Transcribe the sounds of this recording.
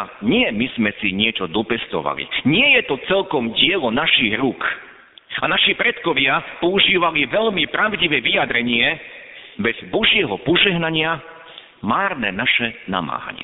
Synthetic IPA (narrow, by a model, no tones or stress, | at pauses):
ɲɪɛmiz̥mɛsiɲɪɛt͡ʃɔd̪ɔpɛst̪ɔ̰ʋa̰lḭɲɪɛjɛt̪ɔt͡sɛlkɔmɟɪɛlɔnaʃiɣɾuk | anaʃipɾɛt̪kɔʋɪapɔuʒiːʋaliʋɛʎmipɾaʊɟiʋɛːʋijad̪ɾɛɲɪɛ | bɛzbɔʒɪɛɦɔpɔʒɛɦnaɲɪa | maːɾnɛːnaʃɛna̰ma̰ːɦa̰ɲɪɛ̰